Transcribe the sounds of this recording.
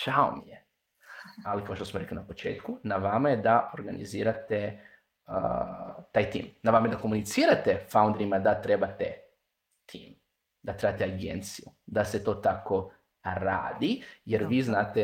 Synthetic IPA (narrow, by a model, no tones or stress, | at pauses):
ʃao̰mije | alikaoʃt̪osmoɾe̞klinapo̞t͡ʃḛːt̪kunaʋamajed̪ao̞ɾɡanḭziːɾat̪e | t̪aːjt̪ḭːmnaʋamajed̪akomunit̪siːɾat̪efaund̪ɾimad̪at̪ɾe̞bat̪e | t̪ʰḭːm | d̪at̪ɾe̞bat̪eaɡent̪siju | d̪ase̞t̪oːt̪ako̞ | ɾa̰ːd̪ijeɾʋiːznaːt̪e